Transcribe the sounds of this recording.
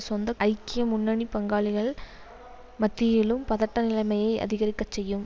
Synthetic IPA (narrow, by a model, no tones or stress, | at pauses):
sɔnd̪ɐʔɐɪkːɪjɐmʊnːɐɳipɐŋɡaːɭɪɣɐɭ | mɐt̪ːɪjɪlɯmpɐðɐʈːɐnɪlɐɪmɐjɐɪʔɐ̰ðɪɣɐɾɪkːɐt͡ʃːɛjːɯm